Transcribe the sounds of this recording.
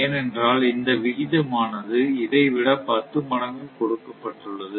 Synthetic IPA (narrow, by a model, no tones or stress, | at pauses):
eːnɛndraːlɪnd̪ɐʋɪɣɪðɐmaːnɐðɯɪðɐɪʋɪɽɐpɐt̪ːɯmɐɽɐŋɡɯkɔɽɯkːɐpːɐʈːɯɭːɐðɯ